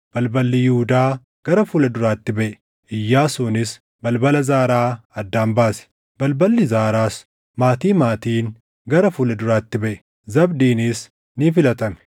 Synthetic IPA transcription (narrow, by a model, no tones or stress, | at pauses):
b̥ɐlbɐlːɪjɪhʊd̪aː | ɡ̥ɐɾɐfʊlɐd̪ʊɾaːt̪ːɪbɛʔɛ̥ | ʔɪjːaːsuːnɪs | bɐlbɐlɐzaːɾaːɐd̪ːaːmbaːsɛ̥ | bɐlbɐlːɪzaːɾaːs | maːt̪iːmaːt̪iːn | ɡɐɾɐfʊlɐd̪ʊɾaːt̪ːɪbɛʔɛ̥ | zɐbd̪iːnɪs | nifɪlɐt̪ɐmɛ̥